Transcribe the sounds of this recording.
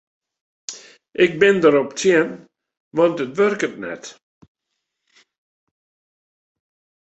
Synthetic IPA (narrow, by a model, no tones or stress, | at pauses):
ʔɪk̚bɪndəɾɔptʰjɪn | ʋɑntətʋørkətnɛ̰t